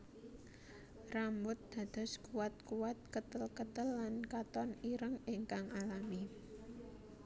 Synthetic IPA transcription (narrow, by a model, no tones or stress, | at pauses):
rambʊt̪̚d̪̥a̤d̪̥ɔ̤skuwat̪̚kuwat̪̚kət̪əlkət̪əlːankat̪ɔniɾəŋɪŋkaŋalami